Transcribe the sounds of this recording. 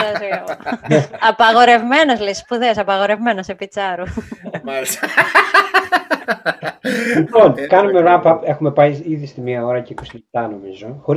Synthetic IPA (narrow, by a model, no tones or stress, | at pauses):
ɐzioneɐpɐɣo̞ɾe̞vme̞nozlespuðesɐpɐɣo̞ɾe̞vme̞nɐsepit͡sɐɾu | lipo̞nkɐnumeɾɐpɐpe̞xume̞pɐiiðist̪imɲiɐo̞ɾɐceiko̞silep̚t̪ɐno̞mizo̞xo̞ɾi